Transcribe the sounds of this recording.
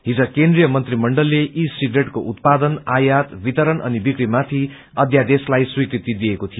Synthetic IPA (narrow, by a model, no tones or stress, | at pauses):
ɦid͡zʌkend̪rijʌmʌnt̪rimʌɳɖʌlːeʔisiɡɾeʈkoʔut̪̚pad̪ʌnajat̪bit̪ʌɾʌnʔʌ̰nibikɾimat̪ʰi | ʌd̪ʱjad̪eslajswikɾit̪id̪iekot̪ʰijo